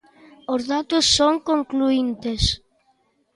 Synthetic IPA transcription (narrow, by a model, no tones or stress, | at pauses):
ʊzðat̪ʊsːoŋkoŋkluint̪es